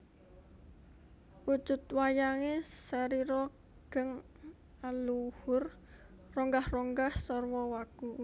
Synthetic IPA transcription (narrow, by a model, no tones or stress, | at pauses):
wud̥ʒ̥ʊt̪wajaŋesaɾiɾɔ | ɡ̥əŋ | aluhʊr | rɔŋɡahrɔŋɡahsɔrwɔwaɡ̥u